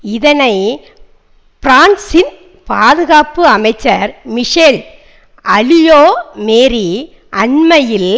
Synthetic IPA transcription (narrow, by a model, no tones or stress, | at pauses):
ɪðɐnɐɪ | pɾaːɳsɪn | paːðɯɣaːpɯɐmɐɪt͡ʃːɐɾmɪʂeːɭ | ɐlɪjoːmeːɾi | ʔɐɳmɐjɪl